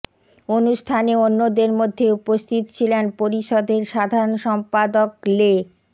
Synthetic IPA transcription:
onuʃʈʰaneonːod̪eɾmod̪ʱːeupost̪ʰit̪ot͡ɕʰilenpoɾiʃod̪ʱeɾʃad̪ʱaɾonʃɔmpad̪okle

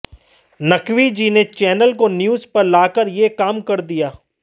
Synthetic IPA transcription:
nɐkʋid͡ʒiːnet͡ʃɛːnəlkonjuːzpɐɾlaːkəɾjekaːmkɐɾd̪ijaː

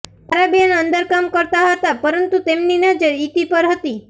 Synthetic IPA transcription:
aɾabianənd̪əɾkamkɔɾt̪aɦɔt̪apɔɾənt̪ut̪emninad͡ʒəɾit̪ipəɾɦət̪i

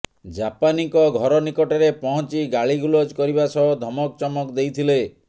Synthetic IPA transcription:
d͡ʒapaniŋkɔɡʱɔɾɔnikɔʈɔɾepɔɦɔt͡ʃiɡaɭiɡulɔd͡ʒkɔɾibasɔɦɔd̪ʱɔmɔk̚t͡ʃɔmɔkd̪ejt̪ʰile

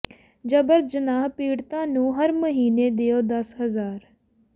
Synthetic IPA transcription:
d͡ʒəbəɾd͡ʒənaːɦpiːɽt̪ãːnũːɦəɾməɦiːneːd̪ɪjoːd̪əsɦəzaːɾ

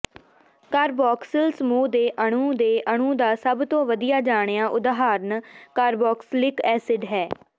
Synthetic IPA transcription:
kaːɾbɔːksəlsəmuːd̪eːʔəɽ̃ũːd̪eːʔəɳ̃ũːd̪aːsəbt̪õːʋəd̪ijaːd͡ʒaːɳ̃ejaːʔʊd̪ɦaːɾnkaːɾbɔːkslɪkɛːsɪɖɦɛː

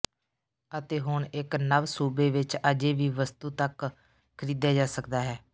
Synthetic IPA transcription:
ət̪eːɦʊɳɪknəʋsuːbeːʋɪt͡ʃəd͡ʒeːʋiːʋəst̪uːt̪ək | kʰəɾiːd̪jaːd͡ʒaːsəkd̪aːɦɛː

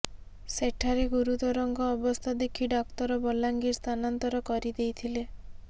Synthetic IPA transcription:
seʈʰaɾeɡuɾut̪ɔɾɔŋɡɔːbɔst̪ʰad̪ekʰiɖakt̪ɔɾɔbɔlaŋɡiɾst̪ʰanant̪ɔɾɔkɔɾid̪ejt̪ʰile

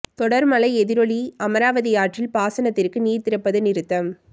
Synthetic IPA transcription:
t̪ɔɽɐɾmɐlɐɪɛðɪɾɔɭiɐmɐɾaːʋɐðɪjaːʈrɪlpaːsɐnɐt̪ːɪrkɯniːɾt̪ɪɾɐpːɐðɯnɪɾɯt̪ːɐm

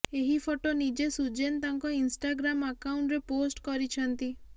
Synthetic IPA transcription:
eɦifʰoʈonid͡ʒesud͡ʒent̪aŋkɔinsʈaɡɾaməkauɳʈɾeposʈkɔɾit͡ʃʰɔnt̪i

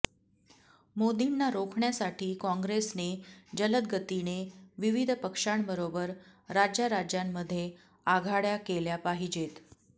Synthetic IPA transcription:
mod̪inːaɾokʰɳjasaʈʰiːkɔ̃ŋɡɾesned͡ʑələd̪̚ɡʱət̪ineʋiʋid̪ʱpəkʂaɳbəɾobəɾɾad͡ʑjaɾad͡ʑjamːəd̪ʱːje | aɡʱaɽjakeljapaɦid͡ʑet̪

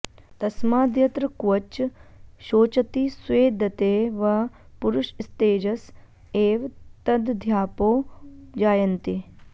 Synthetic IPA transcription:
t̪ɐsmaːd̪jɐt̪ɾɐkʋɐt͡ʃʃoːt͡ʃɐt̪isʋeːd̪ʱɐt̪eːʋɐ | puɾʊʃist̪eːd͡ʒɐs | eːʋt̪ɐd̪d̪ʱjaːpoːd͡ʒaːjɐnt̪i

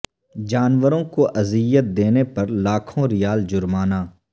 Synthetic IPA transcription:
d͡ʒaːnʋəɾõkoʔɐzɪjət̪̚d̪eːnepɐɾlaːkʰõɾɪjaːld͡ʒʊɾmaːnaː

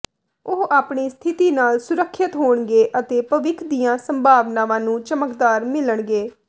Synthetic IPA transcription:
ʊɦaːpɳiːst̪ʰɪt̪iːnaːlsʊɾəkʰːɪt̪ɦoːɳɡeːʔət̪eːpəʋɪkʰd̪ijãːsəmbʱaːʋnãːʋãːnũːt͡ʃəməkd̪aːɾmɪləɳɡeː

